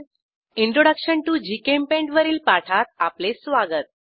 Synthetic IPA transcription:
iɳʈɾoɽəkɕəɳʈud͡ʑikempẽɳʈʋəɾiːlpaʈʰat̪̚aplesʋaɡət̪̚

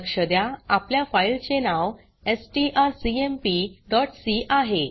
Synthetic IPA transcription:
kɕəd̪jaapljafailt͡ɕenaw | esʈiʔaɾsiempiɖɔʈsiʔaɦe

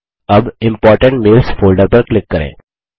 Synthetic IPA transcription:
əbɪ̃mpɔːɾʈə̃ɳʈmɪːlsfoːlɖəɾpɐɾklɪkːəɾḛ̃ː

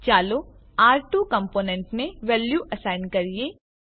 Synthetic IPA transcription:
t͡ʃaːlo | aːɾʈuːkɐ̃mpoːnɛ̃ɳʈmẽʋɛːljuʔɐsaːɪnkɐɾie

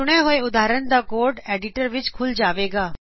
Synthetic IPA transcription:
ʊɽ̃eɦoeʊd̪ʱaːɾənd̪aːkoːɾɖeːɖɪʈəɾʋɪt͡ʃkʰʊld͡ʒaːʋeːɡaː

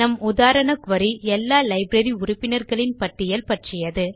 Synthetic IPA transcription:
nɐmʊðaːɾɐnɐkʋɐɾiɛlːaːlɐɪbɾɐɾiʊɾʊpːɪnɐɾɣɐɭɪnpɐʈːɪjɐlpɐʈrɪjɐðɯ

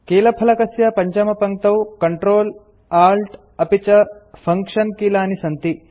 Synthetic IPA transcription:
keːlɐpʰɐlɐkɐsjɐpɐɲt͡ʃɐmɐpɐŋ̚t̪ɐwkɐɳʈɾoːl | aːɾlʈ | ɐpit͡ʃɐpʰɐŋkʂɐnkiːlaːnisɐnt̪i

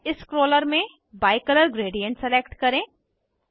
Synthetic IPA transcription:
ɪskɾoːləɾmẽ | baːɪkələɾɡɾeːɖijə̃ɳʈseleːkʈkɐɾẽː

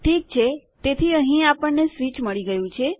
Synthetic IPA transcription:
ʈʰik̚t͡ʃʰe | t̪et̪ʰiəɦĩapəɳnesʋit͡ʃməɭiɡəjũt͡ʃʰe

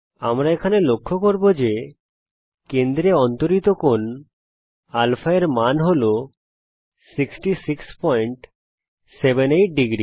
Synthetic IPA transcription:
amɾaekʰanelokʰːokoɾbod͡ʑe | kend̪ɾeɔnt̪oɾit̪okon | alfaeɾmanɦolo | siksʈisikspɔjɳʈ | sebeneʈ̚ɖiɡɾi

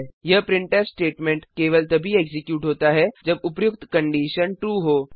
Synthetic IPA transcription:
jəpɾiɳʈəɾsʈeʈmẽɳʈkeʋəlt̪əbʱiːeksikjuːʈɦot̪aɦɛd͡ʑəbupjuk̚t̪kəɳɖiɕənʈɾuːɦo

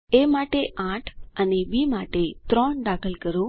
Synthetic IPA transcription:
emaʈeʔãʈʰaniʋiːmaʈet̪ɾɔɳɖakəlkəɾo

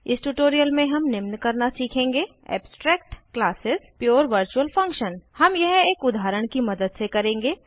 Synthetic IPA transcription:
ɪsʈuʈoːɾijəlmẽɦɐmnɪmnkɐɾnasiːkʰẽːŋɡeː | ɛ̰ːbsʈɾɛːk̚ʈklaːsɪzpjuːɾʋəɾt͡ʃuəlfɐ̃ŋkʃənhɐmjɛɦeːkʊd̪aːɾəɽ̃kimɐd̪əd̪sekɐɾẽːŋɡeː

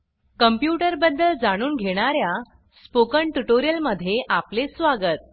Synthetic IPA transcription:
kəmpjuʈəɾbəd̪ːəld͡zaɽ̃uːnɡʱeɽ̃aɾja | spokəɳʈuʈoɾijəlməd̪ʱːjeʔaplesʋaɡət̪̚

